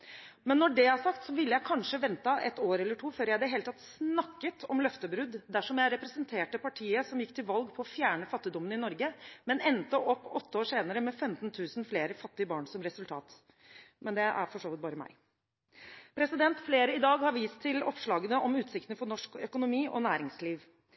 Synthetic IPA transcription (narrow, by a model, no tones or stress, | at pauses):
mɛnːɔɖɛhæʂɑk̚t̪sɔʋɪlːəjæɪkʰɑnʂəʋɛnt̪ɑʔɛ̰t̪oːɾɛlːəʈʰuːføːɾjæɪd̪ɛɦeːlət̪ʰɑt̪snɑkːət̪ʰɔmlœft̪əbɾʉd̪ːd̪æʂɔmjæɪɾɛpɾɛsənt̪ʰeːʈəpɑʈʰiːəsɔmjɪkːt̪ʰɪlʋɑlɡpʰɔɔfjæːɳəfɑt̪ːɪd̪ɔmənɪnɔɾɡəmɛnɛnt̪əʔɔpːɔt̪ːəoːʂeːnəɾəmɛfɛmt̪nt̪ʰʉːsn̩fleːɾəfɑt̪ːɪəbɑːɳsɔmɾɛsʉlt̪ʰɑ̰ːt̪ | mɛnd̪ɛʔæ̰ɾfɔʂoːʋɪt̪̚bɑːɾəmæ̰ɪ | pʰɾɛsɪd̪ɛnt̪fleːɾəɪd̪ɑːɡhɑɾʋiːst̪ʰːɪlɔpʂɭɑːɡənəʔɔmʉːt̪sɪkt̪nəfɔɳɔʂkœkʊnʊmiːʔɔ̰næːɾɪŋsliːʋ